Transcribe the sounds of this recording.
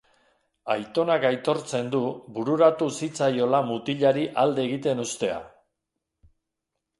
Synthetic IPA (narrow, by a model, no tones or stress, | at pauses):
ajt̪o̞nakajt̪o̞ɾt͡se̞nd̪ubuɾuɾat̪usit͡sajo̞lamut̪iʎaɾiʔald̪e̞ːɣit̪e̞nust̪e̞a̰